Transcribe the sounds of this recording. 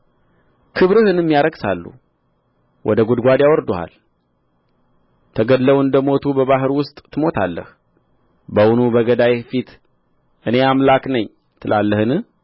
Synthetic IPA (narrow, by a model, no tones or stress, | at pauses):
kʰɨβɾɨhɨnɨmːijaɾəɡsa̰lːṵ | wʔɔ̰d̪əɡud̪ɡʷad̪jawɔɾd̪uha̰l | t̪ʰəɡəd̪ləwɨnd̪əmo̞t̪ʰubəβaɦɨɾwʊst̪ʼt̪ʰːɨmo̞t̪ʰalːə̰h | bəwunubəɡəd̪ajefit̪ | ʔɨne̞amlaknəɲː | t̪ʰɨlʔalːəhɨnɨh